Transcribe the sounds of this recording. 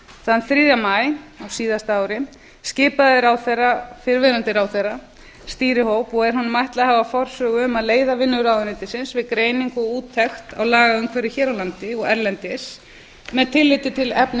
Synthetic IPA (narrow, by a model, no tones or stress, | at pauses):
θanθɾiːðamajawsiːðast̪aːwɾɪ | scɪːpaðɪɾawθejrːafɪɾvɪːɾant̪ɪɾaːwθejrːa | st̪iːɾɪhowpɔɣɛɾ̥hʊnmajht̪laðhavafɔr̥sœːɣʏʏmaðleːjðavɪnːʏɾawðʏɾɪnt̪ɪsɪnsvɪðkɾeːjniŋkɔɣuːt̪ʰːɛxt̪a̰wlaːɣaʏmkʰvɛːɾɪçɛːɾawlant̪ɪɔɣɛɾlɛnt̪ɪs | mɛðt̪ʰɪlːɪt̪ɪt̪ʰɪlɛpn